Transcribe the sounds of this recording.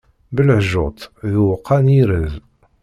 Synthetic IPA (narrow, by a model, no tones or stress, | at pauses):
bəlʕʒot̪ˤðuwqʰːɑniɾəz